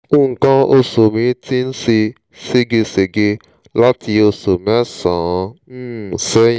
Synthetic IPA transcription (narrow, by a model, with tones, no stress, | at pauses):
u˦˨ŋ̩˨kã˦o˧so˨mĩ˧ti˦n̩˦si˧ | si˦ɡe˧se˨ɡe˧ | la˦ti˧o˧so˨mɛ˦sã˨˧n̩˦˨sɛ˦j̃